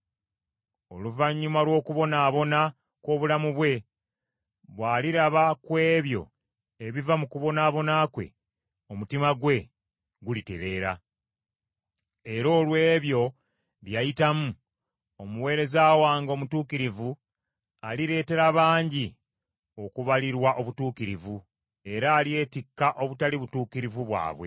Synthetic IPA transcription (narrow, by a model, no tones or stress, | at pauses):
o̞luvaɲːumalwo̞ːkuβo̞naːβo̞na | ko̞ːβulamuβwe̞ | βwaːliɾaβakwe̞ːβjo̞̰ | eβivamukuβo̞naːβo̞nakwe̞̰ | o̞mutimaɡwe̞ | ɡulite̞̰le̞ːɾa̰ | e̞ɾo̞ːlwe̞ːβjo̞ | βjajitamu | omuwe̞ːɾe̞zaːwaːŋɡo̞mutuːkiɾivu | aliɾe̞ːte̞ɾaβaːɲɟi | o̞kuβaliɾwaʔo̞βutuːkiɾivu | e̞ɾaːlie̞tikːaʔo̞βutaliβutuːkiɾivuβwa̰ːβwe̞̰